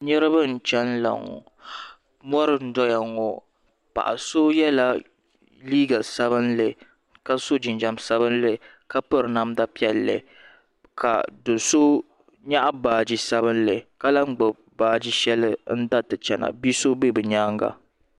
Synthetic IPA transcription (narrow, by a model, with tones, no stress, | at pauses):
ɲɛ˦ɾɨ˦bɨ˦n̩˨t͡ʃɛ˦n˦la̰˨ŋɔ̰˨ | mɔ˦ɾɨ˨n̩˦dɔ˦ja˨ŋɔ˨ | pa̰˨ʔa̰˨so˦jɛ˦la˦ | liː˦ɡa˨sa˦βɨ˦nle˨ | ka˦so˦d͡ʒɪ˨nd͡ʒa˨msa˦bɨ˦n˦le˦˨ | ka˦pɨ˦ɾna˦mda˦pi˦ɛ˦lːɛ̰˨ | kʰa̰˨do˨so˦ | ɲa˦ʔa˦baː˨d͡ʒi˦sa˦βɨ˦n̩˦le˨ka˦la˦ŋ͡mɡ͡bɨ˨ | baː˦d͡ʒi˦ʃɛ˦lɨ˦n̩˦da˦tɨ˨t͡ʃɛ˨na̰˨bi˦so˦be˦bɨ˨ɲaː˦ŋɡa̰˨